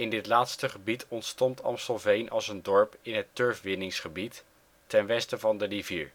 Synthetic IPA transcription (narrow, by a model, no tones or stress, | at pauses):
ɪndɪtlaːtstəχəbitʰɔntstɔntɑ̰msɔlˠvejnʔɑ̰lˠsəndɔɹpɪnɦətøɹfʋɪnɪŋsχəbitː | ɛnʋɛstəvɑndərivḭːɹ